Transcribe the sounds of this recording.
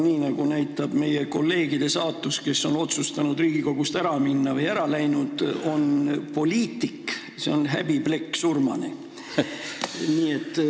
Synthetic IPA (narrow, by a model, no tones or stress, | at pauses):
niːnɑɡ̥unæjt̪ːˑɑb̥me̞je̞ko̞lːe̞ːɡ̥id̪̥e̞sɑːt̪ːˑuske̞sːo̞no̞t̪sust̪ɑnud̪riːɡiko̞ɡ̥ust̪æɾɑminːɑvɤjæɾɑlæjnud̪̥o̞npo̞lʲiːt̪ːˑik | se̞o̞nɦæb̥ib̥le̞kːsurmɑ̰nḛ | niːe̞t̪ːˑ